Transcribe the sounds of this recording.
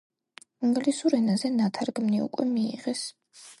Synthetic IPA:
iŋɡlisuɾɛnazɛnat̪ʰaɾɡmniṵkʼwɛmiḭʁɛs

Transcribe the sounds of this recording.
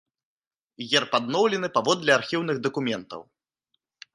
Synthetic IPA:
ɣʲɛrpad̪nɔwlʲɛnɨpavɔd̪lʲɛarxʲiwn̪ɨɣd̪ɐkumʲɛnt̪ɐ̰w

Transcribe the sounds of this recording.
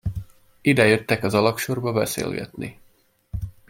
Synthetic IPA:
id̪ɛjøt̪ːɛkɒzɒlɒkʃo̞rbɒbɛsḛːlɡɛ̰t̪nḭ

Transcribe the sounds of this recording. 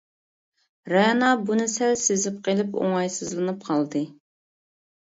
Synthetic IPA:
ɾɛnɑbunɪsælsezɪp̚qʰelˠɪpo̰ŋɑjsɨzlˠɨnɨp̚qʰɑlˠd̪ɨ

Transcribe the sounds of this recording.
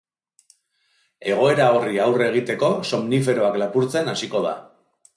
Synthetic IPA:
e̞ɣ̞o̞e̞ɾao̞riawre̞ɣ̞it̪e̞ko̞so̞mnif̬e̞ɾo̞aklapuɾt͡se̞nasiko̞ð̞a̰

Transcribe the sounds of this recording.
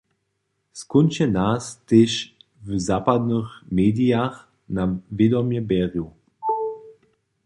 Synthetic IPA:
skunʲt͡ɕənasteʃ | vzaːpad̪nəxmeːdiax | navjedɔmjɛbɛːʁju

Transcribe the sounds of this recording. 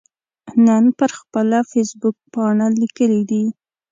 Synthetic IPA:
nənpəɾxpəlafesbʊk̚pɑɳalikəlid̪i

